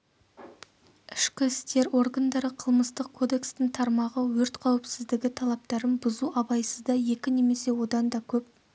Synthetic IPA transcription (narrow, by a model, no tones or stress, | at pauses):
ɪʃkʲɪɪst̪e̞ɾʔo̞ɾɡɑnd̪ɑɾəqʰəlˠməst̪əq̚kʰo̞d̪e̞kst̪ɪŋt̪ʰɑɾmɑʁəwɵɾt̪qʰɑwɪpsɪzd̪ɪɡʲɪt̪ʰɑlˠɑp̚t̪ɑɾənbʊzuʔɑbɑjsəzd̪ɑje̞kʲɪne̞me̞se̞wo̞d̪ɑnd̪ɑkʲʰɵp̚